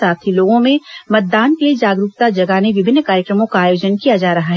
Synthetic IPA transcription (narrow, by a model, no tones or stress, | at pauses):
aːt̪ʰiloːɡõmẽmɐt̪̚d̪aːnkelied͡ʒaːɡɾuːkt̪ad͡ʒɐɡaːneʋɪbʱɪnːkaːɾjəkɾəmõkaaːjoːd͡ʒənkijad͡ʒaːɾɐɦaɦɛ